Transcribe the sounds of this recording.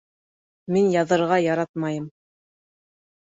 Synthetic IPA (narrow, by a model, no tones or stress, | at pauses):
minjɑðɤ̆ɾʁɑjɑɾɑt̪̚mɑjɤm